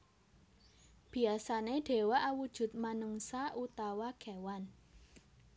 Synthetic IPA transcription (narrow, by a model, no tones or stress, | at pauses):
b̥i̤asaneɖ̥e̤waʔawud̥ʒ̥ʊ̤t̪̚manəŋsaʔut̪awaɡ̥ɛwan